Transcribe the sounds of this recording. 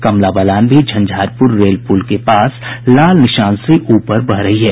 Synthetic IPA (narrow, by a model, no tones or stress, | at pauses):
kɐmlabəlaːnbʱid͡ʒʱɐ̃nd͡ʒʱaːɾpʊɾːeːlpuːlkepaːslaːlnɪʃaːnseʔuːpəɾbɐɦɾɐɦiɦɛː